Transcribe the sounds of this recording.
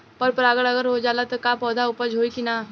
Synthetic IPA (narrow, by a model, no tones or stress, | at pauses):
pɐɾpɐɾaːɡəɭɐɡəɾɦod͡ʒaːlat̪okapɔːd̪ʱaʊpəd͡ʒʱoːikinaː